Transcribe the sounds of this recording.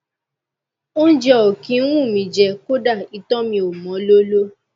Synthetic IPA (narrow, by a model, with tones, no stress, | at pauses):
o˦n̩˦d͡ʒɛ˦o˨kĩ˨˦ɾ̃ũ˦˨mĩ˨d͡ʒɛ˧ko˦da˦˨i˧tɔ̃˦mĩ˧o˨mɔ̃˨˦lo˦lo˦